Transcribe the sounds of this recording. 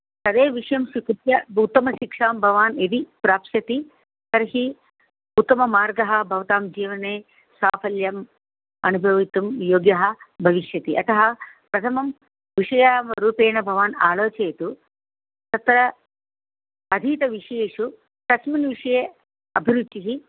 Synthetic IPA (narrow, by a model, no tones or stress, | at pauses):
sɐd̪eːʋiʂɐjɐmʃikut̪jɐut̪ːɐmɐʃikʂaːmbʱɐʋaːned̪ipɾaːpsɐt̪i | sɐɾɐɦi | ut̪ːɐmɐmaːɾɡɐɦɐbʱɐʋɐt̪aːmd͡ʒiːʋɐneː | saːpʰɐljɐm | ɐnubʱɐʋit̪umjoːɡjɐɦɐbʱɐʋiʂjɐt̪iʔɐt̪ɐɦɐpɾɐt̪ʰɐmɐm | ʋiʂɐjaːmɐɾuːpeːnɐbʱɐʋaːnaːloːt͡ʃeːt̪u | t̪ɐt̪ɾɐ | ɐd̪ʱiːt̪ɐʋiʂeːʂu | t̪ɐsminʋiʂɐjeː | ɐbʱiɾud̪ːiɦi